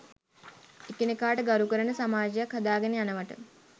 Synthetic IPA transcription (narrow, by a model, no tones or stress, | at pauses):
ekenekaːʈəɡaɾukəɾənəsamaːd͡ʒejakhad̪aːɡeneanəʋaʈə̰